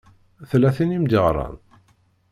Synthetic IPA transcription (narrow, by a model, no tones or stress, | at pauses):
θlæθinimd̪əʁɾˤɑ̰n